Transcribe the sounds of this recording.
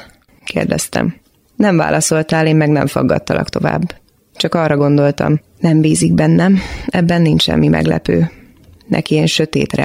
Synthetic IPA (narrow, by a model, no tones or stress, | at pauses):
keːrd̪ɛst̪ɛ̰m | nɛɱva̰ːlʔɒso̞lt̪aːleːmːɛɡnɛ̰ɱfɒɡːɒt̪ːɒlɒ̰kt̪o̞va̰ːbː | t͡ʃɒkɒrːɒɡo̞nd̪o̞lt̪ɒ̰m | nɛmbiːziɡbɛnːɛmɛbːɛnːint͡ʃʃɛ̰mːimʔɛ̰ɡlɛ̰pøː | nɛ̰kieːnʃø̞t̪eːt̪rɛ